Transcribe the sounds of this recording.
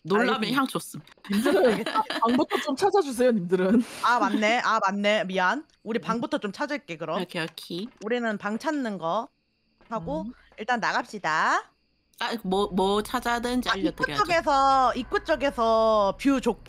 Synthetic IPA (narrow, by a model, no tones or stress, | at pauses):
noɭːamjʌçjaŋt͡ɕos͈ɯmimdɯɾɯɡepaŋbutʰʌt͡ɕomt͡ɕʰad͡ʑad͡ʑus̬ʰejonimdɯɾɯnamanːe̞ʔamanːe̞mian | uɾipaŋbutʰʌt͡ɕomt͡ɕʰad͡ʑɯɭk͈e̞kɯɾʌmkʰʌkʰiuɾinɯnpaŋt͡ɕʰanːɯnɡʌ | haɡo | iɭt͈anːaɣap̚ɕ͈ida | amʌmʌt͡ɕʰad͡ʑadɯnt͡ɕaiʌt̚t͈ʰːt͡ɕ͈ʌɡe̞sʰʌik͈ut͡ɕ͈ʌɡe̞sʰʌpjut͡ɕok̚